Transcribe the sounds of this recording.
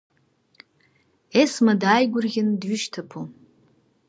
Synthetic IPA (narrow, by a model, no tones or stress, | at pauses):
esmadaːjɡʷʊrɣʲɪndɥʏʃtʰapʰu